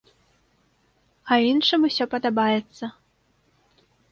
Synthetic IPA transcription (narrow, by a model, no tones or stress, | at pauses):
ainʂɨmusʲɔpɐd̪ɐbajɛt̪sːɐ